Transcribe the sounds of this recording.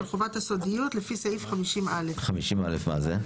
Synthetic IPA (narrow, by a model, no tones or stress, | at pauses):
ɾχuvat̪esod̪ijut̪lefiseifχamiʃimalefχamiʃima̰lefma̰ze